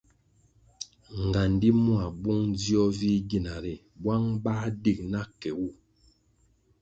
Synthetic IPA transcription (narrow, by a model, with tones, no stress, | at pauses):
ŋ˨ɡa˨n˨di˦mwa˨bu˦ŋ˦d͡zjɔ˦vi˦ɡi˦˨na˨ɾɛ˨ | bwa˦ŋba˦di˦˨k̚na˦kɛ˨wu˦˨